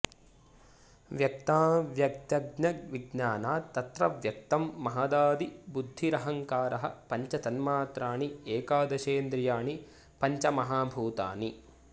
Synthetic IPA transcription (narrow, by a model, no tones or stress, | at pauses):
ʋjɐk̚t̪aːʋjɐk̚t̪jɐɡnɐʋiɡɲaːnaːt̪ɐt̪ɾɐʋjɐk̚t̪ɐmːɐɦɐːd̪aːd̪ibud̪ʱːiɾɐɦɐŋkaːɾɐɦɐ̰pɐɲt͡ʃɐt̪ɐnmaːt̪ɾaːɳieːkaːd̪ɐʃeːnd̪ɾijaːɳi | pɐɲt͡ʃɐmɐɦaːbʱuːt̪a̰ːni